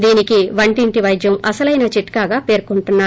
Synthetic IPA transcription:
d̪iːnikiʋɐɳʈiɳʈiʋɐjd͡ʒjɐmɐsɐlɐjnat͡ʃiʈkaːɡaːpe̞ːɾkuɳʈunːaː

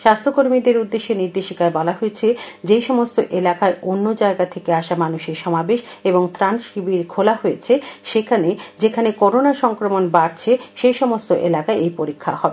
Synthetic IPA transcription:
ʃast̪ʰɾokoɾmid̪eɾud̪ːeʃːeniɾd̪eʃikaebɔlaɦoet͡ɕʰed͡ʑejʃɔmost̪oʔelakaeʔonːod͡ʑaeɡat̪ʰekeaʃamanuʃeɾʃɔmabeʃeboŋt̪ɾanʃibiɾkʰolaɦojet͡ɕʰeʃekʰaned͡ʑekʰanekɔɾonaʃɔŋkɾomonbaɾt͡ɕʰeʃejʃɔmost̪oʔḛlakaeʔejpoɾikʰːa̰hɔbe

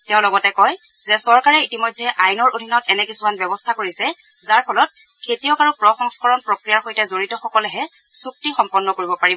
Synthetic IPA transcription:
tɛʊ̃lɔɡɔtɛkɔj | zɛsɔɹkaɹɛitimojdʱːɛʔajnɔɹʔodʱinɔtɛnɛkisumanbɛbɔstʰakoɹisɛ | zaɹpʰɔlɔt̚ | kʰetijɔkaɹupɹɔxɔŋskɔɹɔnpɹokɹijaɹxojtɛzoɹitɔxɔkɔlɛɦɛ | suk̚tixɔmpɔnːɔkoɹibɔpaɹibɔ

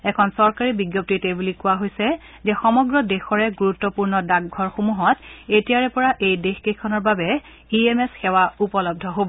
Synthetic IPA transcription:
ɛkʰɔnsɔɹkaɹibiɡjɔp̚titejbulikʊwaɦojsɛ | zɛxɔmɔɡɹɔdɛxɔɹɛɡuɹutːɔpuɹnɔdaɡɡʱɔɹxomuɦɔtetijaɹɛpɔɹaʔejdexkekʰːɔnɔɹbabɛ | iemɛsxɛwaupɔlɔb̚dʱɔɦobɔ

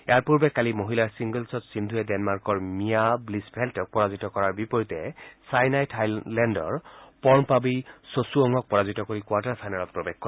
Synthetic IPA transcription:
ɛaɹpuɹbɛkalimoɦilaɹsiŋɡəlsɔtsind̪ʱuɛdɛnmaɹkɔɹmijablisbʰʱɛltɔk̚pɔɹazitɔkɔɹaɹbipɔɹitɛsajnajtʰajlɛndɔ̰ɹpɔɹnpabisosuɔŋɔk̚pɔɹazitɔkoɹikuwaɹtaɹpʰajnalɔt̚pɹɔbexkɔ

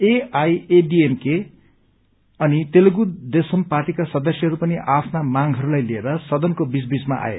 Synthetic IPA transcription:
eajeɖiemke | ʌnit̪elɡud̪esʌmparʈikasʌd̪ʌsjʌɦʌɾupʌniʔapʰnamaŋɦʌɾulajlieɾʌsʌd̪ʌnkobisbismaʔa̰jḛ

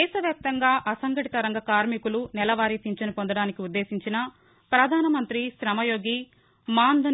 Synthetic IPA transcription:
ɛːʃɐʋjaːp̚t̪ɐŋɡaːʔɐsɐŋɡɐʈit̪ɐɾɐŋɡɐkaːɾmikulunɛlɐʋaːɾit̪iɲt͡ʃɐnipond̪ɐɽaːnikiud̪ːe̞ːsiɲt͡ʃinɐ | pɾɐd̪ʱaːnɐmɐnt̪ɾiʃɾɐmɐjoːɡi | maːnd̪ʱɐ

